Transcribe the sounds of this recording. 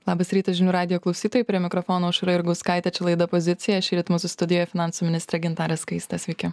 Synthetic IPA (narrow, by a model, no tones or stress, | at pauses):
lˠɑːbɐsɾʲiːt̪ɐsʒʲɪnʲuːɾɑːd̪ʲɪjoːklˠɐʊsʲiːt̪oːjuˑpʲɾʲiɛmʲɪkɾɔfoːnoːʊʃɾɐɪɾɡɐʊskɑɪt̪ʲɛt͡ʃʲɛlˠɐɪd̪ɐpozʲɪt̪sʲɪjɛʃʲiːɾʲɪt̪mʊsʊst̪ʊd̪ʲɪjojɛfʲɪnɑːˑnsuːmʲɪnʲɪst̪ɾʲɛɡʲɪnt̪ɑːɾʲɛskɐɪsʲt̪ɐsʲʋʲɛɪkʲɪ